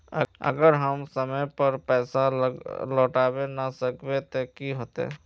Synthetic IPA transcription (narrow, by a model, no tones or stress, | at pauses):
əə̰ɡəɾɦəmsəməjpəɾpɛːsalɔːʈaːbenasəkbet̪okiɦoːt̪ḛː